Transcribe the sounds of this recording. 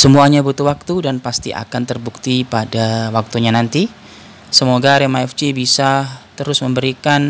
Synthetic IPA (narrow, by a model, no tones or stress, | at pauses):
səmuaɲabut̪uwak̚t̪udanpast̪ḭʔa̰kant̪ərbukt̪ipadawak̚t̪uɲanant̪i | səmoɡaɾemaɛft͡ʃibisat̪əɾʊsməmbəɾikan